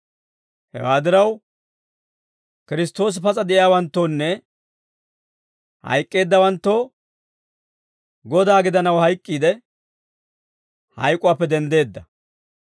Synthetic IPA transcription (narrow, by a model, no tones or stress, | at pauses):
hɛ̰waːd̪ɪɾɐw | kɪɾɪst̪o̞ːs̬pɐt͡sʼɐd̪ɛʔɪjaːwɐnt̪ːo̞ːnːɛ | hɐ̰jkʼːe̞ːd̪ːɐwɐnt̪ːoː | ɡɔd̪aːɡɪd̪ɐnɐwhɐjkʼːiːd̪ɛ | hɐ̰jkʼːʊwaːpːɛd̪ɛnd̪e̞ːd̪ːɐ